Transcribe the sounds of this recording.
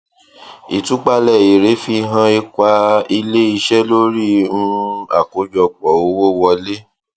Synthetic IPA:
i˨tũ˨˦k͡pa˧lɛ˨i˨ɾe˨˦fi˧ɦã˧i˧kʷa˧˦i˧le˦i˧ʃɛ˦lo˦ɾi˦nũ˧˦a˦˨ko˨˦d͡ʒɔ˧k͡pɔ˨o˨˦wo˦wɔ˧le˦

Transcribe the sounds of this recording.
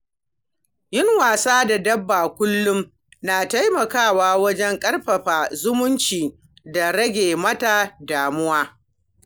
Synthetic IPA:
jɪ˦ŋwaː˨saː˦da˨dɐ˦bːaː˨kʷʊ˦lːʊ˦m | naː˨ta˦jmɐ˨kaː˦˨waː˦wɐ˦d͡ʒɛ˦ŋkʼɐ˦rɸɐ˨ɸaː˨zʊ˦mʊ˦nt͡ʃiː˨ | da˨ɾɐ˦ɡʲeː˨mɐ˦ta˨daː˨mʊ˦waː˦

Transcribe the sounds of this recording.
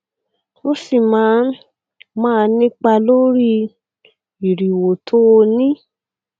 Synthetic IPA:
o˦si˦˨mãː˨˦ | mãː˦˧nĩ˦k͡pa˧lo˦ɾi˦˧ | i˨ɾi˨wo˨tʰo˦˧nĩ˦

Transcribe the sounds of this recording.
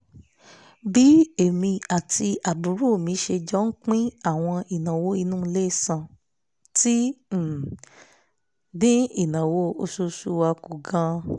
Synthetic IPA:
bi˦e˨mĩ˧a˨tʰi˧a˨bu˨˦ɾu˦˨mĩ˨˧˦ʃe˧d͡ʒɔ˦n̩˦k͡pĩ˦a˦˨w̃ɔ̃˧i˨nã˨wo˦i˧nũ˦˧le˦˨sã˨ | ti˦˨ | dĩ˦i˦˨nã˨wo˦o˧su˧su˦wa˧ku˨ɡã˧

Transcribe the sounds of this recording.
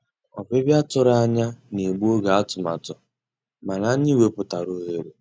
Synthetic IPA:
ɔ̰˨be˦bja˦tʊ˦ɾa˦˨˦ɲa˦ne˨ɡ͡bu˦o˦ɡa˨a˦tʊ˨ma̰˨tʊ˨ | ma˨na˨˦ɲi˦we˨pʊ˨ta˨ɾo˦ɦe˦ɾe˨

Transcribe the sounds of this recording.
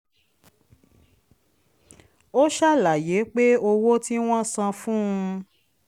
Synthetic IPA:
o˦ʃa˦˨la˨je˨˦k͡pe˦o˧wo˦ti˦w̃ɔ̃˦sã˧fũ˦ũ˧

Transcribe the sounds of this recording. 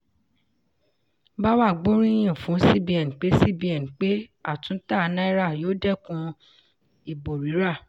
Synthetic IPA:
ba˦wa˦˨ɡ͡bo˦ɾ̃ĩ˦j̃ĩ˨fũ˨˦si˦˨bi˧ɛ˨n˨k͡pe˦si˦˨bi˨˦ɛ˨n˨k͡pe˦a̰˦˨tũ˨˦ta˦˨˧nã˦i˦ɾa˦˨joː˦dɛ˦˨kũ˧ | i˨bo˨ɾi˨˦ɾa˦˨

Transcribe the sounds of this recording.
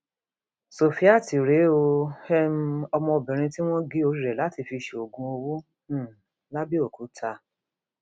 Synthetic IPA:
so˨fi˨˦a˦˨ti˨ɾe˨˦o˧hɛ˦m˦ɔ˧mɔ̃˧bɛ̃˨ɾ̃ĩ˧ti˦w̃ɔ̃˦ɡi˦o˧˦i˦˨ɾɛ˨la˨˦ti˧fi˧ʃe˨o˨ɡũ˧˦o˧wũ˦˨ | la˦bi˦o˦˨ku˨˦tʰa˧

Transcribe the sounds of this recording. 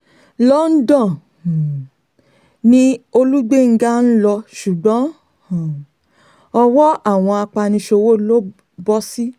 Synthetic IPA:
lɔ˦n̩˦dɔ̃˦˨ | nĩ˦o˧lu˦ɡ͡be˦˨ŋ̩˦ɡa˦n̩˦lɔ˧ʃu˨ɡ͡bɔ̃˨˦˨ | ɔ˧wɔ˦a˦˨w̃ɔ̃˧a˧k͡pa˧nĩ˧ʃo˧wo˦˨lo˦ | bɔ˦si˦

